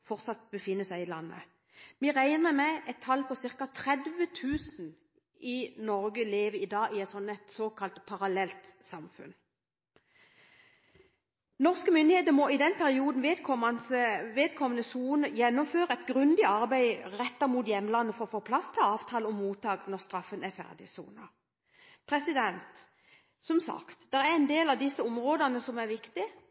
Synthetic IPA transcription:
fɔʁt̪sɑt̪̚bəfɪnːəsæɪɪlɑnːə̰ | miʁæɪnəʁmɛɛt̪ʰːɑlpʰɔsɪʁkɑt̪ʰʁɛd̪ʋət̪ʰʉːsn̩ | ɪnɔʁɡəleːʋəɪd̪ɑːɪɛt̪sɔnæɪt̪soːkʰɑlt̪pʰɑʁɑlɛlt̪sɑmfʉ̰n | nɔʁskəmʏnd̪ɪheːt̪əmɔɪd̪ɛnpʰæʁɪuːd̪n̩ʋeɔɑnsəʋeːd̪kʰɔmənəsuːnəjɛnːɔmføːʁəɛt̪ɡɾʉnd̪ɪɑʁbæɪʁɛt̪ːɑʁmuːt̪jɛmːlɑnːəfɔʁɔfoːpʰlɑst̪ʰɪlɑːʋt̪ʰɑːləɔmːuːt̪ɑːɡnɔʁst̪ɾɑfːənæfæ̰ʁd̪ɪsṵːnə | pʰʁɛsɪd̪ɛnt̪ | sɔmsɑ̰kt̪d̪ɛɾæɛnd̪eːlɑʋd̪ɪsːəɔmʁoːd̪ənəsɔmæʁʋɪkt̪ɪ

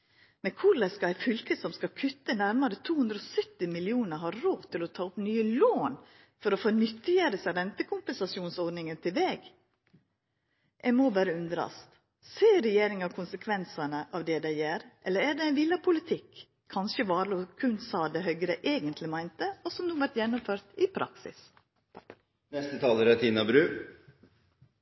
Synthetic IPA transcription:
mɛkʰʊlɛskɑæɪfʏlkəsɔmskɑkʰʉt̪ːənæɾmɑɾət̪ʰuːhʉnd̪ɾɔsœt̪ːɪmɪlɪuːnəɾɦɑɾɾoːʋt̪ʰɪlɔt̪ʰɑːʊpnyːəloːn | fɔɾɔfoːnʏt̪ːɪjəɾəsɑɾɛnt̪əkʰʊmpɛnsɑsjuːnsɔd̪nɪŋənt̪ʰɪlʋeːɡ | ʔɛmɔbæːɾəʉnd̪ɾɑ̰st̪ | seːɾɛjeːɾɪŋɑkʰʊnsəkʰʋɛnsɑnəʔɑʋd̪ɛd̪æɪjeːɾʔɛlːəɾæɖɛæɪnʋɪlːɑpʰʊlɪt̪ʰɪkʰː | ɑnʃəbɑːɾəɔkʰʉnsɑːd̪ɛɦœʏɡɾəʔeːɡənt̪lɪmæɪnt̪əɔsɔmd̪uːʋæɾʈ̪jɛnːʊmføːɾt̪ɪpʰɾʔɑ̰ksɪ̰s | nɛst̪ət̪ʰɑːləɾɛt̪ʰiːnɑbɾʉː

